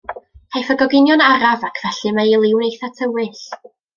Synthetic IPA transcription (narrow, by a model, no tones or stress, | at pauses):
hʰajfəɡɔɡɪnjɔnaɾavakʰv̥ɛɬɨmailˠɪwnejθatʰəwɨɬ